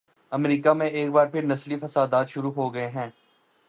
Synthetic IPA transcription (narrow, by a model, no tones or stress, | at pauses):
ɐmɾiːkamẽeːk̚baːɾpʰɪɾnɐslifɐsaːd̪aːt̪ʃʊɾuɦoːɡɐeɦɛ̃ː